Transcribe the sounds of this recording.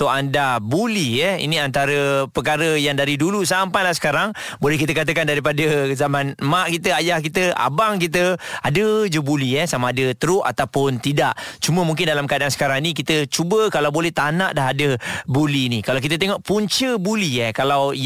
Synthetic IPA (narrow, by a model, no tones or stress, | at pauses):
t̪oʔandabuliɛḭniant̪aɾəpəkaɾəjaŋdaɾidulusampajlahsə̥kaɾaŋ | bolɛhk̬it̪əkat̪̬əkandaɾipadəzamanmaʔkit̪̬əajahk̬it̪əa̰baŋkit̪̬əadəd͡ʒəbuliɛsamaːdət̪əɾʊʔa̰t̪awpʊnt̪idaʔt͡ʃuməmuŋk̬ɪndalamkadansə̥kaɾaŋnikit̪ət͡ʃubəkalawbolɛht̪anaʔdaɦadəbulinikalawk̬it̪ət̪̬eŋɔʔpuɲt͡ʃəbuliɛkalaw